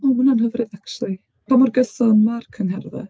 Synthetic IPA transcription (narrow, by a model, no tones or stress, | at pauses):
ɔmʊnanɦəvrɨðakʃulˠi | pʰamʊrɡəsɔnmarkʰənhɛrvɛ̰